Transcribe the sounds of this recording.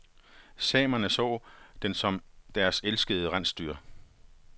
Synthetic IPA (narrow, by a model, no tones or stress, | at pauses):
sɛ̰ːmɐnəsɔ̰ːd̥ensɒ̽md̥æɐselsɡ̥əð̞̩ˠəʁan̰sd̥y̰ːɐ